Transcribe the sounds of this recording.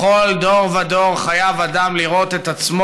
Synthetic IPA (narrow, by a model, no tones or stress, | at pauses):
o̞ld̪o̞ʁvad̪oʁχajavad̪amliʁo̞t̪et̪at͡smo